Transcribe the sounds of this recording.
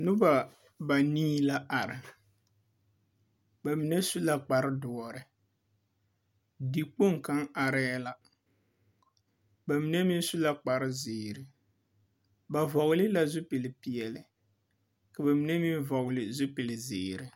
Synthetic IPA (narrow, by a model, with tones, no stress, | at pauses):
nʊ˦ba˨ | ba˨niː˦la˦ʔa˨ɾɪ˨ | ba˨mi˨nɛ˦su˦la˦k͡pa˨ɾɪ˦dɔ˨ɔ˨ɾɪ˨ | di˨k͡po˦ŋka˦ŋa˨ɾɛ˦la˦ | ba˨mi˨˦nɛ˦mi˦su˦la˦k͡pa˨ɾɪ˦zɪː˨ɾɪ˦ | ba˨vɔ˨ɣʊ˨˦lɪ˦la˦zʊ˦pi˨lɪ˨pi˨jɛ˨lɪ˨ | ka˨ba˨mi˨nɛ˦mi˦nvɔ˨ɣʊ˨lɪ˨zʊ˦pi˨lɪ˨zɪː˨ɾɪ˨